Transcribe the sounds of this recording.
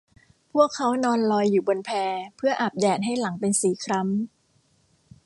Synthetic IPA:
pʰu˥˩əkʰːa˦˥wnɔː˧nlɔː˧jːuː˨˩bo˧npʰɛː˧pʰɯ˥˩ɐʔaː˨˩p̚dɛː˨˩t̪̚ɦa˥˩jla˩˦ŋpe˧nsiː˨˩˦kʰɾa˦˥m

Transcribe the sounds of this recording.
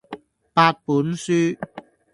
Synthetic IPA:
paː˧t̚puː˨˥nsyː˥

